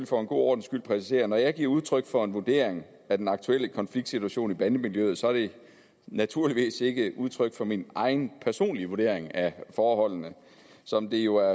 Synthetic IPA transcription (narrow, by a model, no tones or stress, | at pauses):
lfɒ̽e̝nɡ̥o̝̰ːɒ̰ːd̥n̩sɡ̥yl̰pʰʁɛsi̥se̝̰ːɐnɒjɑ̈ɪɡ̥iɐ̰uð̞ˠt͡sʰʁœɡ̥fɒ̽e̝nʋud̥e̝̰ɐ̰eŋ | æd̥enɑ̈ɡ̥̚t͡sʰuel̰əkʰɒ̽nfliɡ̥d̥sit͡sʰuæɕo̝̰ːnib̥ænəmiljøð̩ˠsɒ̽æɐd̥e̝ | næt͡sʰuɐliʋḭːse̝ɡ̥əuð̞ˠt͡sʰʁœɡ̥fɒ̽minʔɑ̈ɪnpʰæɐso̝̰ːnliʋoɐde̝̰ɐ̰e̝ŋæfɒːhɒ̽l̰nə | sɒ̽md̥e̝jo̝æɐ